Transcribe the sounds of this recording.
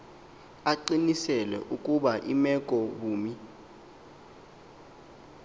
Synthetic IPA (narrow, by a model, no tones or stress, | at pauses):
aǃinisɛlɛ̰ʔukʼuɓaʔimɛkʼɔɓuːmi